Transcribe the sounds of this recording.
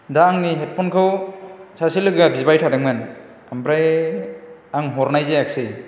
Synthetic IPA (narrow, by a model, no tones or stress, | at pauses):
daːŋniɦet̚pʰɔnkʰɯwsʰasilɯɡɡabizbajtʰadɯŋman | ampɾaj | aŋɦɔɾnajzejak̚sɯj